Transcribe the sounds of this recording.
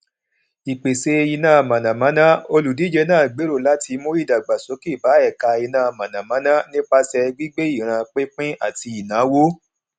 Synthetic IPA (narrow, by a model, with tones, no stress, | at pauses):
i˨k͡pe˨se˧i˧nã˦˨mã˨nã˨mã˨˦nã˦o˧lu˨di˨˦d͡ʒe˧˦nãː˦˨ɡ͡be˨˦ɾo˦˨la˨˦ti˧mõ˦i˦˨da˨ɡ͡ba˨so˨˦ki˦˨ba˨˦ɛ˦˨ka˧i˧nãː˦˨˧mã˨nã˨mã˨˦nã˦nĩ˦k͡pa˧sɛ˧ɡ͡bi˦ɡ͡be˦i˦˨ɾ̃ã˧k͡pe˦k͡pĩ˦a̰˦˨ti˧i˨nã˨˦wo˦